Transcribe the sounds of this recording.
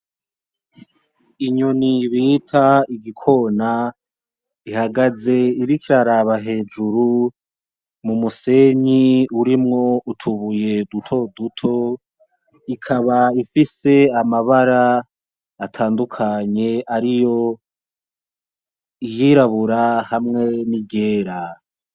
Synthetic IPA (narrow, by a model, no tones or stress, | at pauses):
iɲoniβiːtʰaiɡikʰo̞na | ihaɡaze̞iɾikiɾaɾaβaɦe̞ːd͡ʒuɾu | mumuse̞ɲiuɾimŋo̞utʰuβuje̞dutʰo̞dutʰo̞ | ikʰaβaifise̞amaβaɾaː | tʰaːndukʰaɲe̞aɾijo̞ | ijiːɾaβuɾahamŋe̞niɟe̞ːɾa